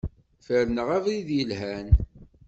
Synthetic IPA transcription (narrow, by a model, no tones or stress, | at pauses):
fəɾnəʁævɾiðjəlhæn